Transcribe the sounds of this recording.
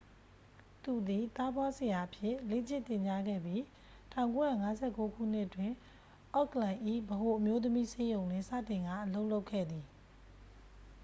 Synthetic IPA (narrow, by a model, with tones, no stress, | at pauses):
t̪u˨d̪i˨t̪a˦bwa˦sə˨ja˨ʔəpʰjɪ˦˨le˦˨t͡ɕɪ˦˨t̪ɪ̃˨ɲt͡ɕa˦ɡɛ̰˦˨bji˦ | tʰã˨ʊ̃ŋko˦ja̰˦˨ŋa˨˦zɛ˦˨ko˦kʰṵ˦˨n̥ɪ˦ʔətwɪ̃˦˨ | ʔɔ˦˨kəlã˨ʔḭ˦˨bəɦo˨ʔəmjo˦t̪̬əmi˦se˦jõ˨ʊ̃n̥ɪ̰̃˦˨sä̰˦˨tɪ̃˨ŋɡa̰˦˨ʔəlo˦ʊʔlo˦ʊkʰːɛ̰˦˨d̪i˨